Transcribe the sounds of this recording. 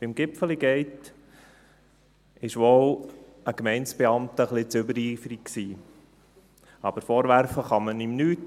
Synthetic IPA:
b̥ɪmɡ̥ɪpfəliɡɛɪt | ɪʃʋɔʊ | əkmɛɪnt͡sb̥eɑmtəχlɪt͡sʏbəɾiːfəɾik̚ksiː | ɑb̥əɾfoːɾvæɾfəχɑmənimnyːt

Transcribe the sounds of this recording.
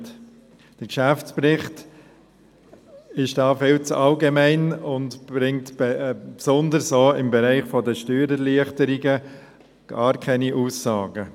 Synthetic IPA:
t | d̥əɾkʃæft͡sprɪχt | ɪʃd̥ɑːfɪlt͡sɑlɡemæɪnʊndbɾɪŋtb̥psʊndəɾsoːɪmbɛɾæɪχfɔdəʃtyːɾəliəχtəɾɪɡə | ɡ̥ɑːɾkʰɛniʔuːsːɑːɡ̥ə

